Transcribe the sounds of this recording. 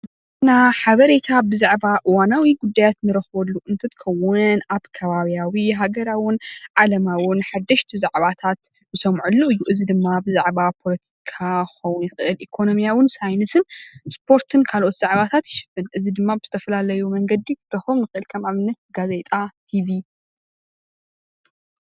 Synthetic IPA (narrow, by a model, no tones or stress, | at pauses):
ɨt | ɨnaħaβɐɾe̞t̪ʰabɨzaʕβaʔɨwanawiɡud̪ːajat̪nɨɾɐxβɐlːuʔɨnt̪ʰɐt̪kʰɐwʊnaβkʰɐβaβijawiɦaɡɐɾawɪnʕalɐmawɪnħad̪ːɐʃt̪ʰizaʕβat̪ʰat̪ | bɨsɐmʕulːuɨjːuʔɨzid̪ɨmːabɨzaʕβapʰo̞lɐt̪ʰikʰaxɐwʊnjɪxɨʔɨlʔikʰo̞no̞mijawɨnsajnɨsɨnspʰo̞ɾt̪ʰɨnkʰalʔo̞t̪z̥aʕβat̪ʰat̪jɪʃɨ̥fːɨnʔɨzid̪ɨmːabɨz̥ɨt̪ʰɐfɐlalɐjumɐŋɡɐd̪ikʰɨ̥t̪ːɐxomnɨxɨʔɨlkʰɐmaβɨnːɐt̪̚ɡaze̞t̪ʼat̪ʰiβi